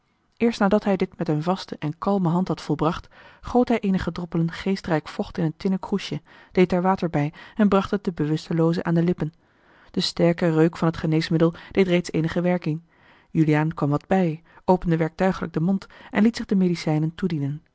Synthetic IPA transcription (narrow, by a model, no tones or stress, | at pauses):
ʔɪːɹstnaːdɑtɦɛjdɪtmɛtənvɑstəʔɛnkɑlˠməɦɑntɦɑtfɔlˠbrɑχtχowtɦɛjʔejnəχədrɔpələnχejstrɛjkfɔχtɪnəntɪnəkruʃə | d̥ejtaɹʋaːtəɹbɛjɛnbrɑχtɦət̚dəbəʋɵstəlowzə̰ʔaːndəlɪpən | d̥əstɛɹkərøɥkfɑnɦətχənejsmɪdəlˠd̥ejtrejtsejnəχəʋɛɹkɪŋ | jylijaːnkʋɑmʋɑd̚bɛjʔowpəndəʋɛɹk̚tœɥχələ̰ɡ̚dəmontʔɛnlitsɪχdəmedisɛjnəntudinən